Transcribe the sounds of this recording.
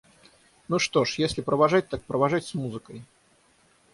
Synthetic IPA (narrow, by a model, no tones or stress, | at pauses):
nuʂt̪oʂjesʲlʲɪpɾəvaʐat̚ʲt̪ak̚pɾəvaʐatʲsmuzɨkəj